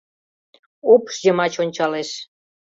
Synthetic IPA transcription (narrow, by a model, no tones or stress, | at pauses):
opʃjə̆mɑt͡ɕonʲt͡ɕɑleʃ